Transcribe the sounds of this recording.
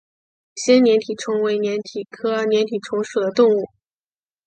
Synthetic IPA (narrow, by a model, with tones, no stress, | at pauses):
ɕjɛ˥nnjɛ˧˥nt̪ʰi˨˩ʈ͡ʂʰɤ˧˥ŋwe˧˥ɪnjɛ˧˥nt̪ʰi˨˩kʰɤ˥˧njɛ˧˥nt̪ʰi˨˩ʈ͡ʂʰʊ˧˥ŋʂu˨˩d̪ə˦t̪ʊ˥˧ŋu˥˩